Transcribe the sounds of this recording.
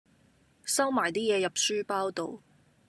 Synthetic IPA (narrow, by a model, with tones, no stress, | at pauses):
sɐ˥wmaː˨˩jt̪iː˥jɛː˨˧jɐ˨p̚syː˥paː˥wt̪o˨˧w